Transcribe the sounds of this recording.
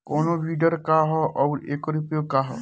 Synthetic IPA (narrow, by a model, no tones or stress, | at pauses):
koːnobiɖəɾkaɦɔʔɔːɾeːkoɾupjokaɦɔ̰